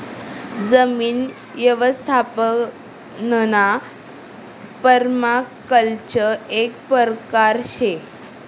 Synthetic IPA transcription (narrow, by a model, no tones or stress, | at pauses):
d͡zəmiːn | ʋjəʋəst̪ʰapə | nəna | pəɾmakəlt͡ɕəek̚pəɾkaɾɕe